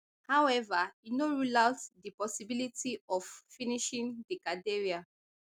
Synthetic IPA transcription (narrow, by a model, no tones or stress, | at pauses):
hawɛvainoɹulaʊtdipɔsibilitiɔffiniʃĩŋdikadeɹia